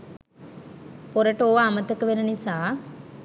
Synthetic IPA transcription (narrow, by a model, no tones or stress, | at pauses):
poɾəʈəoʋaːmət̪əkəʋenənisaː